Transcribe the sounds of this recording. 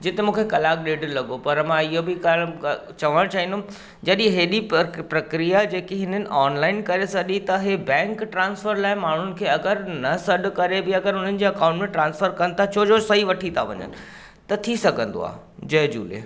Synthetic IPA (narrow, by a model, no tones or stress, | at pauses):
d͡ʑɪt̪emũːkʰekɐlaːk̚ɗeːɖlɐɠopɐɾmãɪiɦobɪkaːlt͡ɕɐʋəɽ̃t͡ɕaːɦĩnd̪oʊ̃ | d͡ʑɐɗĩɦeːɗipɾɐkɾijad͡ʑeːkeɦɪnənɪ̆ʔɔːnlaːɪnkɐɾesɐɗit̪ɐɦebɛ̃ːŋkʈɾãːnsfəɾlaːɦɪmaːɳ̤ʊnɪ̆kʰeːɐɡəɾnɐsɐɗkɐɾebɪɐɡəɾɦʊn̤ənɪ̆d͡ʑeːɐkãːʊ̃ɳʈmẽʈɾãːnsfəɾkɐnɪt̪ʰat͡ɕʰoːd͡ʑosɐɦiʋɐʈʰit̪ʰaʋɐ̰ɲə̰nɪ̆ | t̪ɐt̪ʰisɐɡʱə̃n̆d̪o̰a̰ːd͡ʑɐɦd͡ʑṵːlḛ